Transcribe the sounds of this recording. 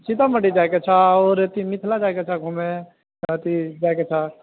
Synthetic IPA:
t͡ʃʰit̪aməʈid͡ʒajket͡ʃʰaoːɾt̪imit̪ʰlad͡ʒajket͡ʃʰaɡʱume | t̪id͡ʒaːjket͡ʃʰa

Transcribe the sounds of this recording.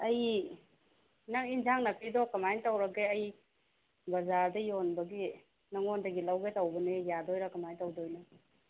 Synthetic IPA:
ɐj | naŋinzaŋnɐpʰidɔkɐmajntawɾɐɡeɐj | bɐzaɾdɐjonbɐɡi | nɐŋondɐɡilawɡetawbɐnejadɔjɾakɐmajntawdojnɐ

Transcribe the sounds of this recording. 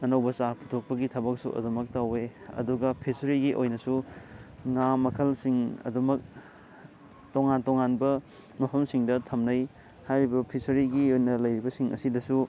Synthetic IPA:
ɐnɐwbɐsapʰutʰok̚pɐɡitʰɐbɐk̚sṵʔɐ̰dumɐk̚taweɐ̰duɡɐpʰisɐɾiɡiʔojnɐsu | ŋamɐkʰɐlsiŋɐ̰dumɐk̚ | toŋantoŋanbɐ | mɐpʰɐmsiŋdɐtʰɐmnɐj | hajɾibɐpʰisɐɾiɡiojnɐlɐjɾibɐsiŋʔɐsidɐsu

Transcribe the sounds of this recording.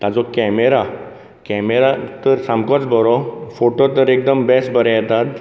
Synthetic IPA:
t̪ad͡zɔkɛmeɾa | kɛmeɾat̪əɾsãmbkɔt͡sbɔɾɔfoʈot̪əɾek̚d̪əmbɛsbʱəɾɛjɛt̪at̪

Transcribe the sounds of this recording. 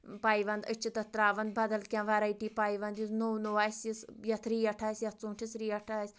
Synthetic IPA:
paːjʋɐnd̪ət͡ʃʰit̪ɐt̪ɾaːʋɐnd̪̚bɐd̪ɐlkʲãːʋɐɾaiʈiːpaːjʋɐnd̪jisnownoʋaːsʲisjɐt̪ʰɾiːɐʈʰaːsʲjɐt̪ʰsũːʈʰisɾiːɐʈʰaːsʲ

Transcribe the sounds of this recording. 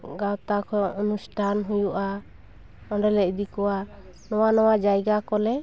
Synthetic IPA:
ɡawt̪akʰɔɔnusʈʰanɦujuʔa | ɔɳɖɛlɛd̪ikɔwa | nɔwanɔwad͡ʒajɡakɔlɛ

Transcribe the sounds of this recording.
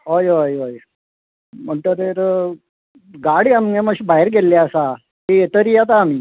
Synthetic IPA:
ɦojojɦoj | m̤əɳt̪əɾeɾ | ɡaɽiamneməɕibaɦeɾɡelːaəsa | ɦeet̪əɾijat̪aːmiː

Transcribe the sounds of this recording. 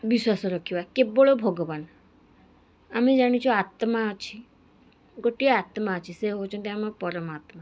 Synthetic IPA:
biswasɔɾɔkʰibakeboɭobʱɔɡɔban | amid͡ʒaɽ̃it͡ʃʰɔat̪maət͡ʃʰi | ɡoʈiaat̪maət͡ʃʰiseɦot͡ʃʰɔnt̪iamapɔɾɔmat̪ma

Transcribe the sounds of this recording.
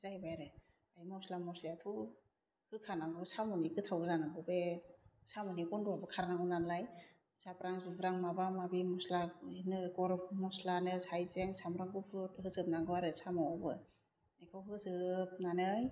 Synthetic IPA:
zajbajɾɯ | ajmɔslamɔslaatʰu | hɯkʰanaŋɡɯsamɔnikɯtʰawzanaɡɯbesamɯnikɔnduabɯkʰaɾanaŋɡɔnanlaj | sapɾaŋzubɾaŋmabamabimɔslanɯɡɔɾmɔslanɯsajzeŋsamɾaŋɡupʰɯtɦɯzɯp̚naŋɡɯwaɾɯsamɔabɯ | ekʰawɦɯzɯp̚nanɯj

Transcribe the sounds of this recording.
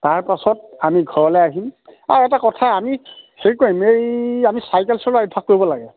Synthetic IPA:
taɹpasɔt̚amiɡʱɔɹɔlɛjaɦima̰ɹɛtakɔtʰaamixeɹikoɹĩmejamisajkɛlsɔlaɹibʰʱak̚kːoɹibɔlaɡɛ

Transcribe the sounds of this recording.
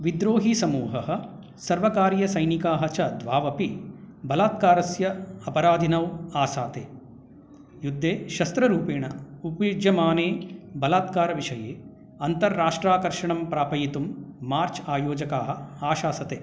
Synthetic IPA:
ʋid̪ɾoːɦisɐmuːɦɐɦɐ̆ | sɐɾʋɐkaːɾjɐsɐjnikaːɦɐt͡ʃɐd̪ʱʋaːʋɐpi | bɐlaːt̪̚kaːɾɐsjɐɐpɐɾaːd̪ʱinɐwaːsaːt̪eː | jud̪ʱːeːʃɐst̪ɾɐɾuːpeːɳɐupɐjud͡ʒjɐmaːneːbɐlaːt̪̚kaːɾɐʋiʂɐjeː | ɐnt̪ɐɾːaːʂʈɾaːkɐɾʂɐɳɐmpɾaːpɐjit̪umːaːɾt͡ʃaːjoːd͡ʒɐkaːɦɐ̆aːʃaːsɐt̪eː

